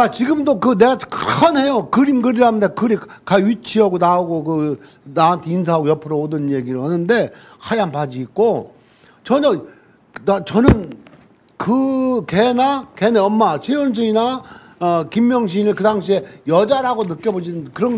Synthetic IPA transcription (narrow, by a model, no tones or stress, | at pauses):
kat͡ɕiɡɯmdokɯne̞ɡakʌnɦe̞jokɯɾimɡɯɾiɾɦanɯndekɯɾikkaɥit͡ɕʰiaɡonaoɡokɯ | nawantʰeinsʰaɦaɡojʌpʰɯɾoːdɯnje̞ɡiɾɯɭɦanɯnde̞ | hʰajampad͡ʑiːk̚k͈o | t͡ɕʌɲʌ | at͡ɕʌnɯn | kɯkenakeneʌmːat͡ɕʰeons̬ʰɯina | ʌkimjʌŋɕ̬ʰinɯkɯdaŋɕʰie̞jʌd͡ʑaɾaɡonɯk͈jʌbod͡ʑinɯnkɯɾʌn